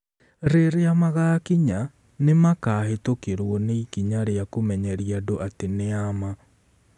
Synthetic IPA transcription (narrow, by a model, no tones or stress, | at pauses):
ɾeɾeamaɣaːkiɲa | nemakaːɦetokeɾwɔneikiɲaɾeakomɛɲɛɾiadoʔateneama